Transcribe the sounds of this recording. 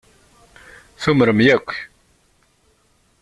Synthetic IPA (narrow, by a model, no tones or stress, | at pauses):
θuməɾəmjækʷː